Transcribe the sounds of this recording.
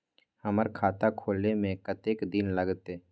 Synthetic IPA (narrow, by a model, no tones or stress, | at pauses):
həməɾkʰaːt̪akʰoːlnemẽkət̪eːkd̪ɪnləɡt̪eː